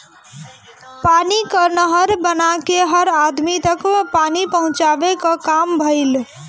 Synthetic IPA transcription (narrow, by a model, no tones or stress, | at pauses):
panikəɾnəɦəɾbənakeɦəɾad̪mit̪əkpanipəɦʊ̃t͡ʃabekəkambʱəɪl